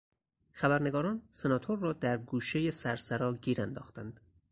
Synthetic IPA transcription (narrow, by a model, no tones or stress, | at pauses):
xæbæɾne̞ɡɒːɾɒːnse̞nɒːt̪ʰoɾːɒːd̪æɾɡuːʃe̞je̞sæɾsæɾɒːɟiːɾænd̪ɒːxt̪ænd̪̥